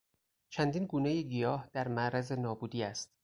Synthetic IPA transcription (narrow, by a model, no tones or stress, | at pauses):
t͡ʃʰænd̪iːnɡuːnejeɡijɒːhd̪̥æɾmæʔɾæze̞nɒːbuːd̪iːæst̪